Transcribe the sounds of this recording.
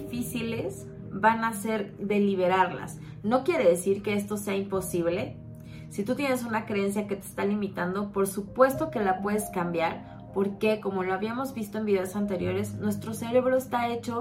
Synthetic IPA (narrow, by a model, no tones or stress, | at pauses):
fisile̞z | βanase̞ɾðe̞liβ̞e̞ɾaɾla̰s | no̞kje̞ɾe̞ðe̞siɾke̞e̞st̪o̞se̞aimpo̞siβ̞le̞ | sit̪ut̪je̞ne̞sunakɾeensjake̞t̪e̞̥ːst̪alimit̪and̪o̞po̞ɾsupwe̞st̪o̞ke̞lapwe̞ðe̞skambjaɾ | po̞ɾke̞ko̞mo̞loaβiamo̞zβist̪o̞e̞mbiðeosant̪e̞ɾjo̞ɾe̞znwe̞st̪ɾo̞se̞ɾe̞βɾo̞est̪ae̞t͡ʃo̞